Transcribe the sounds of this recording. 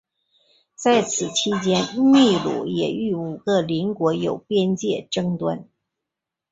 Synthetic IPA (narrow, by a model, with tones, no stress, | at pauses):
t͡sa˥˩ɪt͡sʰɹ̩˨˩t͡ɕʰi˥t͡ɕjɛ˥nni˥˩lṵ˨˩˦jɛ˨˩y˥˩u˨˩ɡə˥˨li˧˥nkwɔ˧˥jo˨˩ʊpjɛ˥nt͡ɕjɛ˥˩ʈ͡ʂɤ˥ŋt̪wa˥n